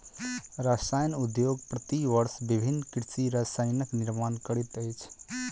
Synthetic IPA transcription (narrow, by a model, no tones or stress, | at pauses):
ɾasajnud̪joɡpɾət̪iʋəɾsbibʱinːkɾsiɾasajnəkniɾmankəɾit̪əjt͡ʃʰ